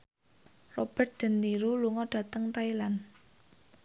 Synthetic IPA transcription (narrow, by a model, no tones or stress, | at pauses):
rɔb̥ɛ̤rt̪̚d̥ə̤nd̪iɾuluŋɔɖ̥ä̤t̪əŋt̪ailan